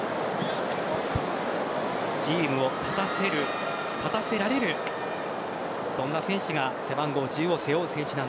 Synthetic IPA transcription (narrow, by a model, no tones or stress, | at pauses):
d͡ʑiːmɯ̟o̞kʰat̪aseɾɯ | kat̪ase̞ɾaɾe̞ɾɯ̟ | sõ̞nːasẽ̞ɰ̃ɕiɡase̞bãŋɡo̞ːd͡ʑiɯo̞se̞jo̞ːsẽ̞ɰ̃ɕinãn